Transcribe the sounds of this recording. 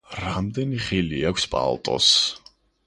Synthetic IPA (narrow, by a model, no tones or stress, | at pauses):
ɾamd̪ɛniχiliakʷʰspʼa̰lˠt̪ʼɔ̰s